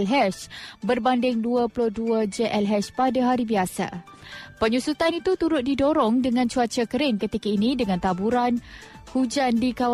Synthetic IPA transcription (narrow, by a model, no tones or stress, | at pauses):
lɦɛʃbərbandɪŋduapulʊhduad͡ʒeʔɛlɦɛspadaɦaɾibiasa̰ | pəɲusut̪anit̪ut̪uɾʊt̪̚didoɾɔŋdəŋãnt͡ʃuat͡ʃakəɾɪŋkət̪ikainĩdəŋãnt̪abuɾan | hud͡ʒandikaw